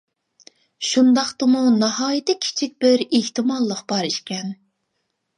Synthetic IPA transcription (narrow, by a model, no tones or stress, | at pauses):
ʃund̪ɑχt̪ɨmunɑhɑːjit̪ʰɪkʲʰi̥t͡ʃʰik̚ʲb̥ɪɾeht̪ɨmɑlˠːəqb̥ɑɾiʃkʲɛn